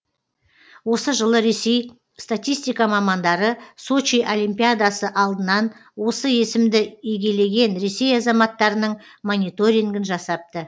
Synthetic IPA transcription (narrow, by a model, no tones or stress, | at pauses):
wo̞səʒəlˠəɾe̞sej | st̪at̪ijst̪ijkɑmɑmɑnd̪ɑɾəso̞t͡ʃiʔolimpʲijad̪asəʔɑlˠd̪ənɑnwo̞səje̞sɪmd̪ɪiɡʲe̞le̞ɡʲe̞nɾe̞se̞jɑzɑmɑt̪ːɑɾənəɴ | mo̞nʲijt̪o̞ɾʲiŋɡɪnʒɑsɑp̚t̪ə